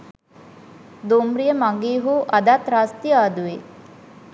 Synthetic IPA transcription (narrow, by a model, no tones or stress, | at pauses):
d̪oːmɾijəmaŋɡiːɦuːʔɐd̪at̪ɾaːst̪iaːd̪ue